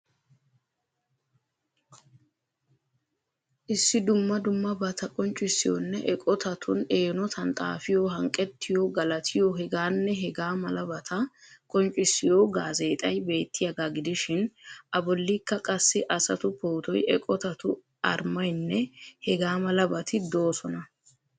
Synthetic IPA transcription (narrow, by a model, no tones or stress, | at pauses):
ʔɪsːɪd̪ʊmːɐd̪ʊmːɐbɐt̪ʰɐkʼɔnt͡ʃʼːɪsːɪjɔ̰nːɛʔɛkʼɔt̪ʰɐt̪ʰʊneːnɔt̪ʰɐnt̪ʼa̰ːfɪjoɦɐŋkʼːɛt̪ːɪjoɡɐlɐt̪ʰɪjoɦɛɡaːnːɛɦɛɡaːmɐlɐbɐt̪ʰɐkʼɔnt͡ʃʼːɪsːɪjoːɡaːze̞ːt̪ʼɐjbe̞ːt̪ːɪjɐɡ̪aɡɪd̪ɪʃɪnʔɐbɔlːiːkːɐkʼɐsːɪʔɐsɐt̪ʊpʰoːt̪ɔjɛkʼɔt̪ɐt̪ʊ | ʔɐ̰ɾmɐjnːɛhɛɡaːmɐlɐbɐt̪ʰɪd̪o̞ːsɔnɐ